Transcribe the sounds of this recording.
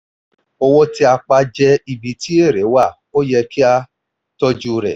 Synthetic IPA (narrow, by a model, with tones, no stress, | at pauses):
ɔ˧wɔ˦ti˦a˧k͡pa˧d͡ʒɛ˧i˧bi˨ti˦e˦˨ɾɛ˨˦wa˦˨ | o˦jɛ˧ki˦a˧ | tɔ˧d͡ʒu˧ɾɛ̰˨